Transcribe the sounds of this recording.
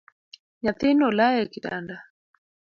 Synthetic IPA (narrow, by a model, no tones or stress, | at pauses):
ɲaθinɔlajɛkita̰nda